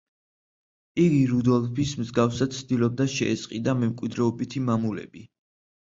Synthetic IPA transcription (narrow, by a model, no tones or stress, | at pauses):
iɡiɾud̪ɔlˠpʰismzɡafsad̪sʰd̪ilɔb̚d̪aʃɛɛsʼqʼid̪amɛmkʼwid̪ɾɛɔbit̪ʰimamulɛ̰bi